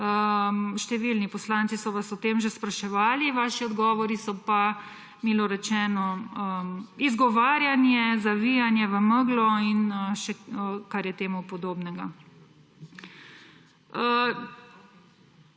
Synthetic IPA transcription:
əʃt̪ɛʋilnipɔslaːnsisɔʋasɔt̪eːmʒɛspɾaʃɛʋaːliʋaːʃiɔd̪ɡɔːʋɔɾisɔpa | milɔɾɛt͡ʃɛːnɔəizɡɔʋaːɾjanjɛzaʋijanjɛʋəməɡlɔinʃɛkaɾjɛt̪eːmupɔd̪oːbnɛɡa | ə

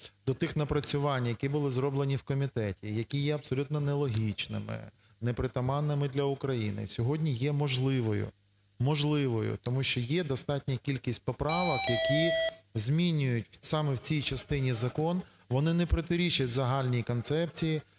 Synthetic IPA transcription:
d̪ɔt̪ɪxnɐpɾɐt͡sʲʊʋɑnʲjɐkʲibʊlˠɪzɾɔblˠenʲiwkɔmʲit̪ɛtʲijɐkʲijɛɐbsɔlʲut̪nɔnɛlˠɔɦʲit͡ʃnɪ̰mɪ̰ | nɛpɾɪt̪ɐmɑnːɪmɪd̪lʲɐʊkɾɐjinɪ̰sʲɔɦɔdʲnʲijɛmɔʒlˠɪʋɔjʊ̰ | mɔʒlˠɪʋɔjʊ̰t̪ɔmuʃt͡ʃɔjɛd̪ɔst̪ɑtʲnʲɐkʲilʲkʲisʲtʲpɔpɾɑʋɐkjɐkʲizʲmʲinʲʊjʊtʲsɑmɛwt͡sʲijt͡ʃɐst̪ɪnʲizɐkɔn | ʋɔnɪnɛpɾɔt̪ɪɾʲit͡ʃɐtʲzɐɦɑlʲnʲijikɔnt̪sɛp̚t͡sʲiji

